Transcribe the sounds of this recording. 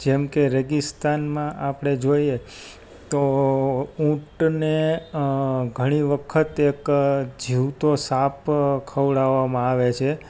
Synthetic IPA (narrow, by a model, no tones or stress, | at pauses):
d͡ʒɛmkeɾɛɡist̪anmãʔapɽ̃ed͡ʒoie | t̪o | ũʈne | ɡʱəɽ̃iʋəkʰət̪ekd͡ʒiʋt̪osapkʰəʋɭaʋamãaʋet͡ʃʰe